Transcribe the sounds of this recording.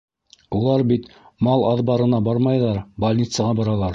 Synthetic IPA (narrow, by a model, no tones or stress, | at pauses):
ulˠɑɾbit̪ | mɑlˠɑðbɑɾɤ̆nɑbɑɾmɑjðɑɾbɐlʲnʲit̪səʁɑbɑɾɑlˠɑɾ